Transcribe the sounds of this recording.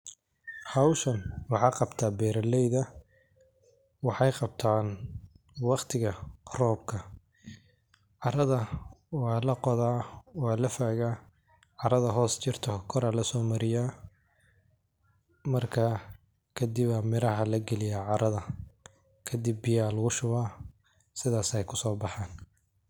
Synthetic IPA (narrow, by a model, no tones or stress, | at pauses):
hɑwʃɐnwɑħɑːqɑbt̪ʰaːbɛːɾɐlɛjðɐ | wɑħɑjqɑb̚t̪ʰaːn | wɑqt̪ʰɪɣɐrɔːb̚kʰɐ | ʕɑɾɐðɐwɑːlɐqɔðaːwɑːlɐfaːɣaː | ʕɑɾɐðɐɦɔːst͡ʃɪrt̪ʰɔkʰɔɾalɐsɔːmɐɾɪja | mɐrkʰɐ | kʰɐd̪ɪβamɪɾɐɦɐlɐɡɛlɪjaʕɑɾɐðɐ | kʰɐd̪ɪbːɪjaːlɐɣʊʃʊβaː | sɪðaːsɛjkʰʊsɔːbɑħɑːn